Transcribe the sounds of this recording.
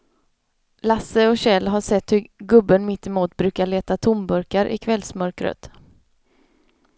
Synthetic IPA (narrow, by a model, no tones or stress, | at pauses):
lasəɔɕɛlːɦaʂɛt̪hɵɡɵbːənmɪt̪ːɪmuːt̪bɾʉ̟ːkaɭeːt̪at̪ʰʊmbɵɾkaɾʔɪ̰kʰvɛlsmœɾkɾə̰t̪